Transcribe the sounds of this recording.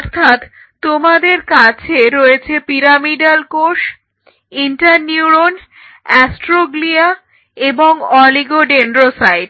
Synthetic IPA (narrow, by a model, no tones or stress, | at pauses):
ɔɾt̪ʰat̪ | t̪omad̪eɾkat͡ɕʰeɾoet͡ɕʰepiɾamiɖalkoʃ | iɳʈaɾniuɾon | ɛsʈɾoɡlia | eboŋɔliɡoɖeɳɾosajɖ